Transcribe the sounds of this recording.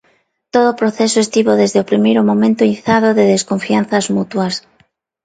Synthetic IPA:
t̪oðopɾoθesoest̪iβoðezðeopɾimejɾomõmẽnt̪oiθað̞oðeðeskoɱfian̟θɐzmut̪wɐs

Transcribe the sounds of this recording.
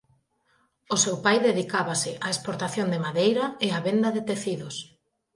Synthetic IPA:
ʊsewpajðeðikaβasɪʔaespoɾt̪aθjond̪emaðejɾɐeaβend̪ɐðet̪eθiðʊs

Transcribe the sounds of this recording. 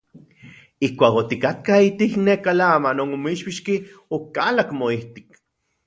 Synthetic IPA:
ihkʷaːkot̪ikat̪kait̪iknekalamanonomiʃpiʃkiokalakmoiht̪i̥k̚

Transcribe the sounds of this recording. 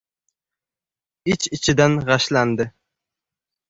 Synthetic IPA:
it͡ʃɪt͡ʃʰɪd̪anʁɑʃland̪ɨ

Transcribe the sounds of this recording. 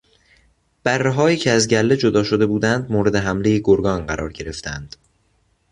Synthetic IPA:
b̥ærːeɦɒːiːcʰeæzɟælːe̞d͡ʒod̪ɒːʃo̞d̪e̞buːd̪ænd̪moːɾe̞d̪e̞ɦæmlejeɡoɾɡɒːnɢæɾʔɒ̰ːɾɟe̞ɾe̞ft̪ʰænd̪̥

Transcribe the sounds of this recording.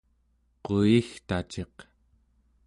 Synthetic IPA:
qoixt̪at͡ʃe̞q

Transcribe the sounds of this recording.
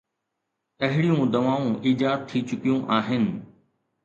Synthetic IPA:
ɐɦɪɽɪjũd̪əʋaːũːʔiːd͡ʒaːt̪̚t̪ʰːiːt͡ʃʊkijũːʔaːɦɪn

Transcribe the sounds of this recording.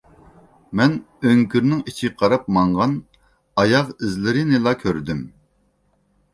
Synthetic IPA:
mɛn | øŋkʲyɾnɪŋit͡ʃʰiqʰɑɾɑp̚mɑɴʁɑn | ɑjɑqɪzlɪɾɪnɪlˠɑkʲʰøɾd̪ym

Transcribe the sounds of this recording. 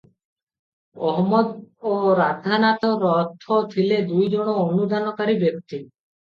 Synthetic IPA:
ɔɦmɔd̪oɾad̪ʱanat̪ɔɾɔt̪ʰːot̪ʰiled̪ujd͡ʒoɽ̃oːnud̪ʱanɔkəɾibjək̚t̪i

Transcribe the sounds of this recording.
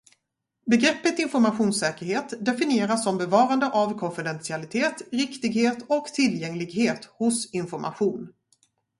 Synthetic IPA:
bɛɡɾɛpːət̪ɪnfɔɾmaɧuːnsɛːkəɾheːt̪d̪ɛfɪnɪeːɾasːɔmbɛvɑːɾand̪əʔavkʰɔnfɪd̪ɛnsɪalɪt̪ʰeːt̪ɾɪkt̪ɪɡheːt̪ɔkt̪ʰɪljɛŋlɪɡɦeːt̪hʊsɪnfɔɾmʔa̰ɧuːn

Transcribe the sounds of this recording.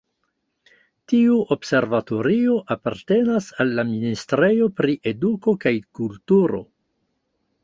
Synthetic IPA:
tiuobse̞ɾvato̞ɾio̞ʔapaɾte̞nasalːaministɾe̞jo̞pɾiʔe̞duko̞kajkultuɾo̞̰

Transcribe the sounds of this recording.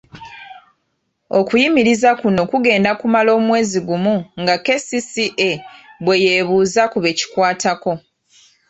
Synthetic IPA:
o̞kujimiɾizakuno̞kuɡe̞ːndakumalo̞ːmwe̞ːziɡumuŋɡake̞sisiʔeβwe̞je̞ːβuːzakuβe̞ːci̥kwaːtako̞

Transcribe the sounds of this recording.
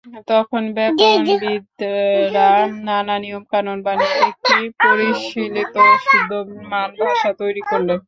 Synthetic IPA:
t̪ɔkʰonbɛpombid̪ɾannananijomkanonbaniek̚ʈipoɾiʃilet̪oʃud̪ʱːomanbakʃat̪ojɾikoɾle

